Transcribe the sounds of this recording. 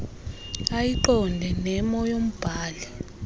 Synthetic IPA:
ajiǃɔndʱɛnɛmɔjom̩b̥ʱaːlɛ

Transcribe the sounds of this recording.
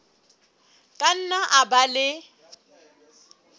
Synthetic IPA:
kʼan̩naʔabalɪ

